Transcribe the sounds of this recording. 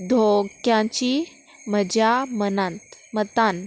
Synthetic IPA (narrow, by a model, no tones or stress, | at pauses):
d̪ʱokjãt͡ɕi | məd͡ʑamənãnt̪mət̪an